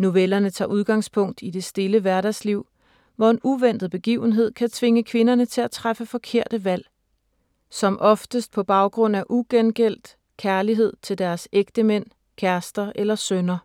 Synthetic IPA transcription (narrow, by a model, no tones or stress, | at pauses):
nuʋelɐnət͡sʰɑ̰̈ːʔuð̞ˠɡ̥ɑ̈ŋ̰spʰɔ̽ŋ̰d̥id̥e̝sd̥e̝ləʋæɐɾæsliʊ̰ | ʋɒe̝nuʋen̰d̥ð̩ˠb̥e̝ɡ̥ḭʊən̩ɦe̝ð̞̰ˠkʰæt͡sʰʋe̝ŋəkʰʋe̝nɐnət͡sʰe̝læt͡sʰʁafəfɒ̽kʰe̝ɐ̰d̥əʋæl̰ | sɒ̽mʔɒ̽fd̥əsd̥̚pʰɒ̽b̥ɑ̈ʊɡ̥ʁɔ̽n̰æʔuɡ̥enɡ̥el̰d̥ | kʰæɐliɦe̝ð̞̰ˠt͡sʰe̝ld̥æɐseɡ̥d̥əmen̰ | kʰæɐsd̥ɐʔelɐsønɐ